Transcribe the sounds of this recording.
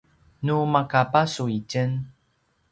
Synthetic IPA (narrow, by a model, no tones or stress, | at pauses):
numakapasuicən